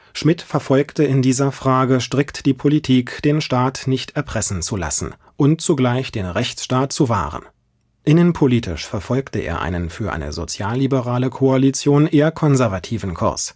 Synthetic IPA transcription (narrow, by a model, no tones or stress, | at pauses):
ʃmɪtfɛɐfɔlktəɪndiːzɐfʁ̥aːɡəʃtʁ̥ɪktd̥iːpʰolitʰiːkd̥eːnʃtaːtnɪçtɛɐpʁ̥ɛsn̩t͡sula̰sn̩ | ʔʊntt͡suɡlaɪçd̥eːnʁɛçt͡sʃtaːt̚t͡suva̰ːʁ̞ə̰n | ʔɪnənpʰoliːtʰɪ̰ʃfɛɐfɔlktəʔḛːɐʔa̰ɪnənfyːɐʔa̰ɪnə̰zo̰t͡sjaːlːibəʁaːləkʰoalit͡sjoːnʔeːɐkʰɔnzɛɐvatʰiːvn̩kʰʊ̰ɐs